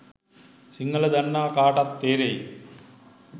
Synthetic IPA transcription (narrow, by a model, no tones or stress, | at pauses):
siŋɡɐlɐd̪ɐnːaːkaːʈɐt̪ːeːɾɐj